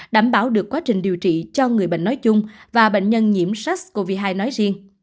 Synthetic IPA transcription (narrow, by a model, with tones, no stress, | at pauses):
ɗaː˧˩mɓaː˧˩wɗɨ˨˩əkwaː˨˦t͡ɕï˨˩ŋ̟ɗi˨˩əwt͡ɕḭ˧˨t͡ɕɔ˧ŋɨ˨˩əjɓə̰˧˨ŋ̟nɔ˨˦jt͡ɕʊ˧ŋ͡mvaː˨˩ɓḛ˧˨ŋ̟ɲə˧nɲi˧˩əmsa˦˥k̚ko˧vi˧ɦaː˧jnɔ˨˦jzi˧əŋ